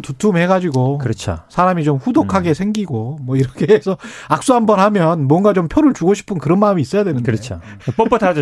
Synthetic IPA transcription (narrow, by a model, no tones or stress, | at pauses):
tutʰumhe̞ɡad͡ʑiɡokɯɾʌt͡ɕʰo̰sʰaɾamit͡ɕomɸudokʰaɡe̞sʰe̞ŋɡiɡomwʌiɾʌkʰe̞ːsʰʌak̚s͈uɦanbʌnhamjʌnmwʌnɡat͡ɕompʰjoɾɯɭt͡ɕuɡoɕʰi̥pʰɯnkɯɾʌnmaɯmiːs͈ʌjadwenɯnkɯɾʌt͡ɕʰo | p͈ʌp͈ʌtʰad͡ʑ